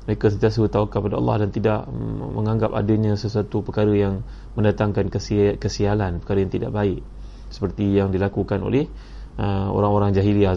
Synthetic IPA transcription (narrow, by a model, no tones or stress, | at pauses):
məɾekasənt̪iasəət̪aukapadaɑ̰lːɑ̰hdant̪ida̰ʔmə̃ŋãŋɡap̚a̰dəɲãsəsuat̪upəkaɾəjaŋ | mə̃ndat̪aŋkankəskəsialanpə̥kaɾəjaŋt̪ida̰ʔbaɪʔ | sə̥pərt̪ijaŋdilakukano̰lɛh | ʔəo̰ɾaŋoɾaŋd͡ʒaɦilia